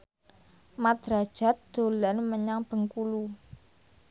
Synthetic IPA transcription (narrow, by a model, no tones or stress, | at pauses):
mad̪̥ɾad̥ʒ̥a̤t̪̚d̪̥o̤lanməɲaŋb̥ə̤ŋkulu